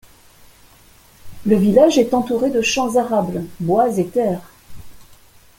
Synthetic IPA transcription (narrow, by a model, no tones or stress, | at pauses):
ləvilaʒɛt̪ɑ̃t̪uʁed̪əʃɑ̃zaʁablbwazet̪ɛːʁ